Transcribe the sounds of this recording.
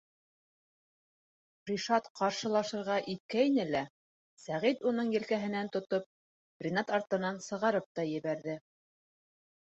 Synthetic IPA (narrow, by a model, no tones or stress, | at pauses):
prʲiʃɑt̪qɑɾʃɤ̆lˠɑʃɤ̆ɾʁɑʔit̪̚kæinɘlæ | sæʁit̪unɤɴjɘ̆lkæɦɘ̆nænt̪ŏt̪op̚ | brʲɪnɑt̪ɑɾt̪ɤ̆nɑnsɤ̆ʁɑɾɤp̚t̪ɑjɘ̆βæɾðɘ